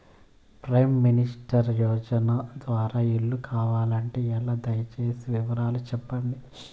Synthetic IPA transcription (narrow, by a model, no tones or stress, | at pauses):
pɾɐjmːinisʈɐɾjɔːd͡ʒɐnɐd̪ʋaːɾaːiɭːukʰaːʋaːlɐɳʈe̞ːɛlːaːd̪ɐjɐt͡ʃe̞ːsiʋiʋɐɾaːlut͡ʃɛpːɐɳɖi